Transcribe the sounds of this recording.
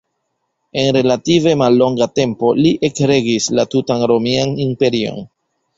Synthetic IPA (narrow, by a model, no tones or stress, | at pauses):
e̞nɾe̞lative̞malːo̞ŋɡate̞mpo̞liʔe̞kɾe̞ɡislatutanɾo̞mianimpe̞ɾio̞̰n